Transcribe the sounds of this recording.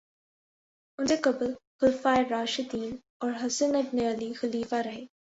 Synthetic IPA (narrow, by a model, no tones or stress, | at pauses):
ʊnsekɐblxʊlfaːeɾaːʃɪd̪iːn | ɔːɾɦɐsənɐbneɐlixɐliːfaɾɐɦeː